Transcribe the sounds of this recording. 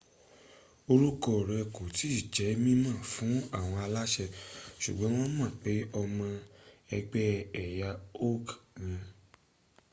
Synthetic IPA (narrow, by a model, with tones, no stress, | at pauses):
o˧ɾu˦kɔ˦˨ɾɛ˧ko˨ti˨˦i˦˨d͡ʒɛ˨˦mĩ˦mã˦˨fũ˨˦a˦˨w̃ɔ̃˧a˧la˦ʃɛ˧ʃṵ˨ɡ͡bɔ̃˦w̃ɔ̃˦mã˦˨k͡pe˨˦ɔ˧mã˧ɛ˧ɡ͡bɛ˦ɛ˨ja˧o˦knĩ˧